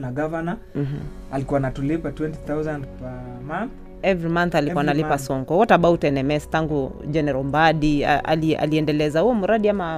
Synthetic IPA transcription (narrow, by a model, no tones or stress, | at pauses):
naɡavana | alikuwanatulipatwɛntiθawzãndpɛ | manθ | ɛvɾimanθalikuwanalipasɔŋɡɔwɔtaɓautɛnɛmɛstaŋɡud͡ʒɛnɛɾɔmbaɗiaa̰lia̰liɛndɛlɛzahuɔmuɾaɗiama